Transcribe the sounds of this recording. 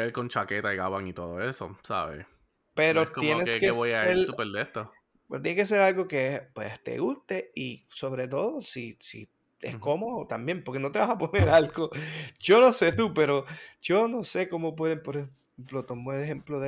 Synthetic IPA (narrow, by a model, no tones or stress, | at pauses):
elko̞nt͡ʃake̞t̪aiɣaβaŋit̪oðo̰e̞so̰sa̰βḛ | pe̞ɾot̪jenekskeeβojsaeeɾupeld̪eht̪o | pt̪jenekes̬e̞ɾalɣo̞kespwḛst̪e̞̰ɣust̪e̞iso̞βɾe̞t̪̬o̞ðo̞sisḭ | essko̞moðot̪ambje̞mpo̞ɾke̞no̞t̪e̞βasapo̞ne̞ɾalɡo̞d͡ʒo̞no̞se̞t̪upe̞ɾod͡ʒo̞no̞se̞ko̞mo̞p̬we̞ðempoɾehe | mplo̞t̪o̞moeleɦe̞mploðe